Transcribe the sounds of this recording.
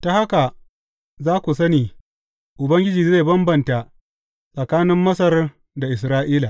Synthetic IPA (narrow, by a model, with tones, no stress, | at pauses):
ta˨ha˦ka˨ | zaː˦kʷu˨sɐ˦niː˨ | ʔʊ˨bɐ˦ŋɡʲɪ˦d͡ʒiː˨ze˦˨bɐ˦mbɐ˨nta˨ | sʼɐ˨kaː˦nɪ˦mːɐ˦sɐ˦r | da˨ʔɪ˨s̬ɾaː˦ʔiː˦la˨